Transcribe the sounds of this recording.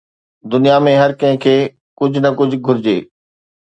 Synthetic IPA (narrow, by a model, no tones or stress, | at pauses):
d̪ʊnijamẽɦɐɾkɐ̃ɦɪ̃kʰeː | kʊd͡ʑʱʊnɐkʊd͡ʑʱʊ̆ɡʱʊɾɪd͡ʑeː